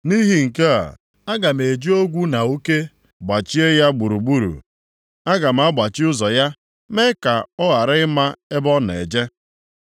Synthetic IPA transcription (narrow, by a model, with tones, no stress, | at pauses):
ni˦ɦi˨ŋ̩˨ke˦a̰˨ | a˦ɡa˨m̩˨e˨d͡ʒi˦o˦ɡʷu˦na˨u˦ke˦ | ɡ͡ba˨t͡ʃi˦e˦ja˦ɡ͡bu˨ɾu˨ɡ͡bu˦ɾṵ˨ | a˦ɡa˨m̩˦a˦ɡ͡ba˨t͡ʃɪ˦ʊ˦zɔ˨ja˦ | me˦ka˨ɔ˦ɣa˨ɾɪ˦ɪ˦ma˦e˦bɔ˦n˨ḛ˨d͡ʒe˦